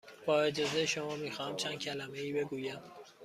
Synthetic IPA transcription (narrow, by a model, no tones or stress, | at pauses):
b̥ɒːed͡ʒɒːzejeʃo̞mɒːmiːxɒːhæmt͡ʃʰæn̥cʰælæmeiːbe̞ɡuːjæm